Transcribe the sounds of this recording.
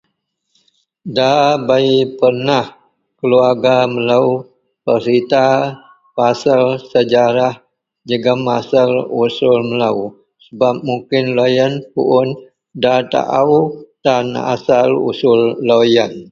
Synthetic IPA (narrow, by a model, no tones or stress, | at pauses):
dabaipərnah | kəluarɡaməlau | pəsit̪a | pasəlsəd͡ʒaɾah | d͡ʒəɡəmasəlusʊlməlau | səbap̚muŋkɪnlojənpṵʔʊn | dat̪a̰ʔaut̪ana̰salṵsʊlːojən